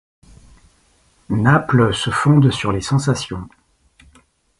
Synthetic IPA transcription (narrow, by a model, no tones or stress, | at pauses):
naplsəfɔ̃d̪syʁlesɑ̃sasjɔ̃